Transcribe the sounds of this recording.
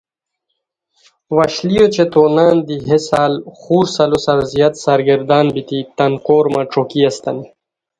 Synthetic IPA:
waɕlijot͡ɕet̪oːnaːnd̪iɦesaːlxuːɾsɐlosɐɾzjat̪saɾɡɐɾd̪ɑːnbit̪it̪ɐnkoːɾmaʈ͡ʂokiast̪ani

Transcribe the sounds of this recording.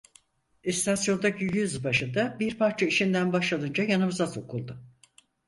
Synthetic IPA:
ist̪ʰasjo̞nd̪acijyzbaʃɯnd̪abiɾpaɾt͡ʃʰaiʃind̪ænbaʃlˠad̪ɯnd͡ʒajanɯmɯzaso̞kʰulˠd̪ʊ

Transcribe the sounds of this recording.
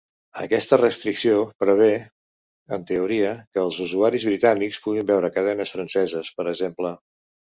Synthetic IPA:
ə̰kɛst̪ərəst̪ɾiksiopɾəβ̞e | ənt̪əuɾiəkəːlˠzuzuaɾizβɾit̪anikspuɣimbɛwɾəkəð̞ɛnəsfɾənsɛzəspəɾəɡzemplə

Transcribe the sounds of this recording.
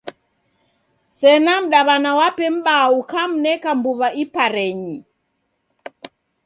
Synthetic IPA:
sɛnam̩ɗaβanawapɛm̩ɓaukam̩nɛkambuβaʔipaɾɛɲi

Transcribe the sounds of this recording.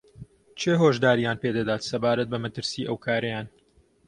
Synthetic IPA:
t͡ʃʰeːɦoːʒd̪aːɾijaːnped̪ɐd̪aːt̪sɐbaːɾɐt̪̚bɐmɐt̪ɨɾsiːʔɐwkʰaːɾɐjaːn

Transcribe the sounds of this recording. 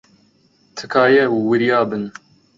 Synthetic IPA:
t̪ʰɨkʰaːjɛuwɨɾjɑːbɨn

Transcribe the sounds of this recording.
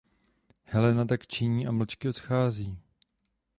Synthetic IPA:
hɛlɛnat̪akt͡ʃɪɲiːʔaml̩t͡ʃkɪo̞t̪xaːziː

